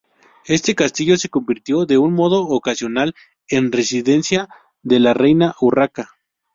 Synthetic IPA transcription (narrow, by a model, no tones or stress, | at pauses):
e̞st̪e̞kast̪iʝo̞se̞ko̞mbiɾt̪jo̞ðe̞unmo̞ðo̞ːkasjo̞nal | e̞nresiðe̞nsja | ðe̞larejnaʔuraka